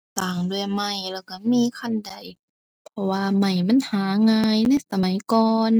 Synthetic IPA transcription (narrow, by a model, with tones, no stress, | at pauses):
saː˨˩ŋdu˧˩ə˨ma˧˩jlɛː˧˩wka˧˩miː˧˥kʰa˧˥˨nda˨˩j | pʰɔ˧waː˧ma˧˩jma˧˥˨nhaː˨˦ŋaː˧jna˧˩˨jsa˧ma˨˦jkɔː˧n